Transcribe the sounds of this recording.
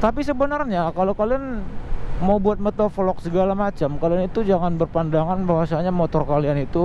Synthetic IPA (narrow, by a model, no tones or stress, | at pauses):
t̪apisəbənərɲakalokalian | mawbuat̪̚mət̪ofolɔk̚səɡalamat͡ʃamkalianit̪ud͡ʒaŋanbərpandaŋanbawasaɲamot̪ɔrkalianit̪u